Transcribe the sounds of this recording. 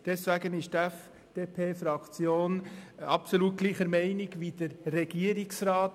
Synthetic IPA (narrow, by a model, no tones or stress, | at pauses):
d̥ɛsvæɡənɪʃtæf | d̥eːpʰeːfɾɑkt͡sjoːnɑpsoluːt̚ɡ̥liːχəɾmɛɪniɡʋid̥əɾrɛɡ̥iəɾiksrɑːt